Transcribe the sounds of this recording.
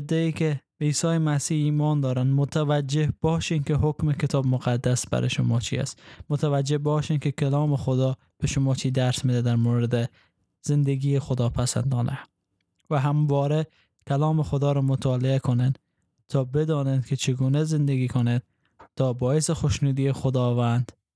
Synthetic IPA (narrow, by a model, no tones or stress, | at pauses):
d̪ːeiːkebiːsɒːjemæsiːiːmɒnd̪ɒːɾand̪mʊt̪ʰavad͡ʒehb̥ɒːʃinkeɦokmekʰet̪ʰɒːbmʊqad̪ːasbæ̰ɾʔḛʃʊmɒːt͡ʃʰḭæ̰st̪mot̪ʰavæd͡ʒehbɒʃinkekʰalɒːmexod̪ɒ | b̥eʃʊmɒːt͡ʃʰiːd̪æɾsmed̪æd̪æɾmoɾɪd̪e | z̥end̪eɡiːexod̪ɒːpʰæsæ̰nd̪ɒːnʔæ | væɦamvɒːɾe | kʰalɒːmexod̪ɒːɾɔːmot̪ʰɒːleekʰonen | t̪ʰɒːbed̪ɒːnenkʰet͡ʃʰeɡunezɪnd̪eɡiːkʰoned̪̥̚ | t̪ʰːɒːbɒːesexoʃnuːd̪iːexod̪ɒːvænd̪